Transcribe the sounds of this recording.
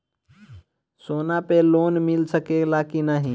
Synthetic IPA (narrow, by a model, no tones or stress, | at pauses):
sonapelonmilsəkelakinaɦi